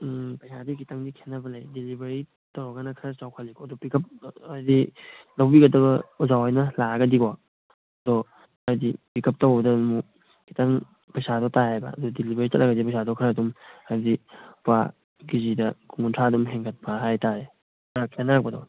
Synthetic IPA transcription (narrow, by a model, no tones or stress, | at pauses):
pɐjsadikitaŋdikʰenːɐbɐlajdilibeɾi | tawɾɐɡanɐkʰɾɐt͡ʃawkʰalikʰɔɐdɔpikʰɐp̚ːdilawbiɡɐdɐβɐuzawajnɐlaɡɐdika | ɐdɔ | ɐɾdipikʰɐp̚tawbɐdɐmu | kitaŋ | pɐjsadɔtahajbɐ̰ːdɔdilibeɾit͡ʃɐtlɐɡɐdipɐjsadɔkʰɯɾɐdumaɾdipa̰ | ɡizidɐkuŋuntʰadumɦeŋkʰat̚pɐɦajtaɾe | akʰenːaɾak̚bɐdɔ